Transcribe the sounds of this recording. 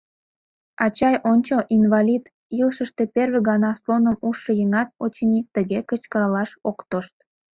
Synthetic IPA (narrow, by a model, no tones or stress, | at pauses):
ɑt͡ɕɑjʔonʲt͡ɕəʔinvɑlʲid̪ | ilʃəʃt̪eperβeɣɑnɑslonəmuʃːəjəŋɑt̪̚ot͡ɕenʲik̚t̪əɣekət͡ɕkəɾɑlɑʃokt̪oʃt̪̚